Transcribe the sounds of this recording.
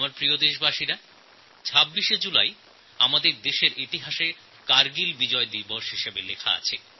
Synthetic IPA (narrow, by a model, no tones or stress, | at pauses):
maɾpɾiod̪eʃbaʃiɾa | t͡ɕʰabːiʃed͡ʑulaj | a̰mad̪eɾd̪eʃeɾʔit̪iɦaʃeɾ | kaɾɡilbid͡ʑɔed̪ibɔʃɦiʃebelekʰa̰a̰t͡ɕʰe